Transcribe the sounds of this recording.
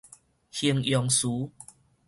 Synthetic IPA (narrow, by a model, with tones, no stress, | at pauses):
hi˧əŋjɔ˧ŋsu˨˦